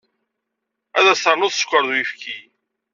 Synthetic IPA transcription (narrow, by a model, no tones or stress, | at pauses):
æðæsəɾnʊðskʷːəɾðwjifkʰi